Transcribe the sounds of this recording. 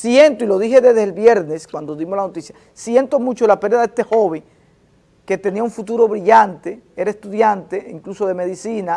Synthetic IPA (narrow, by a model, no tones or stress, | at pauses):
sje̞nt̪oilo̞ðihe̞ðezðelβje̞ɾne̞skwand̪o̞ðimoslanot̪isja | sje̞nt̪o̞mut͡ʃo̞lapeɾðaðe̞st̪e̞xo̞βe̞ŋ | ke̞t̪e̞niauɱfut̪uɾo̞βɾiʝant̪ee̞ɾaest̪uðjant̪e̞iŋkluso̞ðe̞me̞ðisina